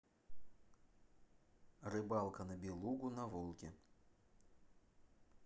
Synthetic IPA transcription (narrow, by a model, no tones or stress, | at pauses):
rɨbɑlˠkənəbʲɪlˠuɡʊnɐvolˠkʲɪ